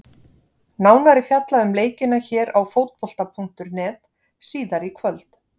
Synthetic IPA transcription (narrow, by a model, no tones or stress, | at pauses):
naːwnaɾɪfjat̪laʏmleːjcɪnaçɛːɾawfoːwt̪̚pɔl̥t̪apʰuŋ̥t̪ʏɾnɛːt̪ | siːðaɾikʰvœlt̪